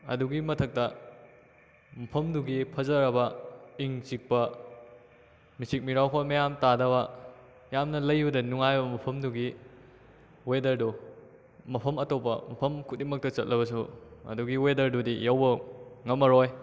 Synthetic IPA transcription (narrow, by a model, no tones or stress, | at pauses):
ɐ̰duɡimɐtʰɐk̚tɐ | mɐpʰɐmduɡipʰɐzɐɾɐbɐiŋt͡ʃik̚pɐ | misik̚miɾawkʰomɐjamtadɐβɐ | jamnɐlɐjbɐdɐnuŋajbɐmɐpʰɐmduɡi | wedɐɾdu | mɐpʰɐmɐtopːɐ̰mɐpʰɐmkʰut̚dimɐk̚tɐt͡ʃɐt̚lʔɐβɐs̬uɐ̰duɡiwedɐɾdudijɐwbɐŋɐmːɐɾoj